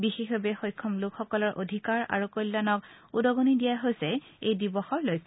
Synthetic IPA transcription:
bixexbabɛxojkʰːɔmlʊkxɔkɔlɔɹʔodʱikaɹa̰ɹukɔjlːanɔk | udɔɡonidijaɦojsɛ | ejdibɔxɔɹlojkʰː

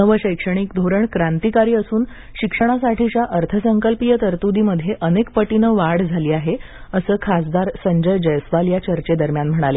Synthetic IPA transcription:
əʋəɕəjkʂəɽ̃ikd̪ʱoɾəɳkɾant̪ikaɾiːəsuːn | ɕikʂəɽ̃asaʈʰiːɕaʔəɾt̪ʰəsəŋkəlpijət̪əɾt̪ud̪iməd̪ʱːjeʔənekpəʈinəʋaɽd͡zʱaliːaɦe | əsəːkʰasd̪aɾsəɲd͡ʑəjd͡ʑəjəsʋaljat͡ɕəɾt͡ɕed̪əɾmjanm̤əɽ̃ale

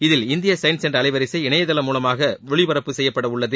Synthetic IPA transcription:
ɪðɪlɪnd̪ɪjɐsɐɪnsɛndrɐlɐɪʋɐɾɪsɐɪɪɳɐjɐðɐlɐmuːlɐmaːɣɐʋɛɭɪʋɐɾɐpːɯsɛjːɐpːɐɽɐʊɭːɐðɯ

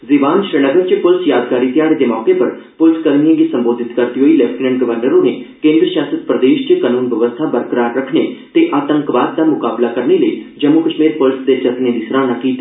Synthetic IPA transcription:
zɪʋaːnʃɾeləɡənt͡ʃəpʊlsjaːd̪kaːɾiːt̪ɪjaːɽed̪eːmɔːkepəɾ | pʊlskəɾnijə̃ɡiːsə̃mboːd̪ʱɪt̪kəɾt̪iːɦoːiːlɛpʰʈnə̃ɳɖɡəʋəɾnəɾõːnekẽːnd̪ɾəʃjaːsət̪pɾəd̪eːʃt͡ʃəkənuːnʋəʋəst̪ʰaːbəɾkɾaːʈɾəkʰneːt̪eːʔaːt̪ə̃ŋkʋaːt̪̚d̪aːmʊkaːblaːkəɾneːləiːd͡ʒəmukəʃmiːɾpʊlsd̪eːt͡ʃək̪neːd̪isɾaːnaːkiːt̪a

